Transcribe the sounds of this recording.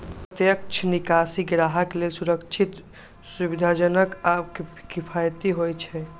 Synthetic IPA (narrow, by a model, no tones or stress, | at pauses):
pət̪jək̚t͡ʃʰənikasiɡɾaɦakelelsuɾəkt͡ʃʰit̪ | subid̪ʱad͡ʒənəkabkkipʰajt̪iɦojt͡ʃʰɛ